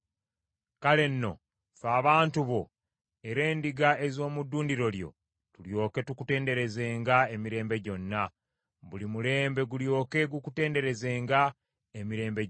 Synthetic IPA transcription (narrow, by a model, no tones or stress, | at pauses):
kale̞nːo̞̰ | faːβaːntuβo̞ | eɾe̞ːndiɡae̞zo̞ːmudːuːndiɾo̞ljo̞̰ | tuljo̞ːke̞tukute̞ːnde̞ɾe̞zeːŋɡae̞miɾe̞ːmbe̞ɟo̞nːa | βulimule̞ːmbe̞ɡuljo̞ːke̞ɡukute̞ːnde̞ɾe̞zeːŋɡa | emiɾe̞ːmbe